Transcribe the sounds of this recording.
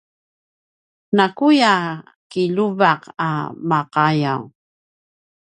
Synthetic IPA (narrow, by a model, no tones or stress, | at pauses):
nakuja | kiʎuvaqa̰maqajaw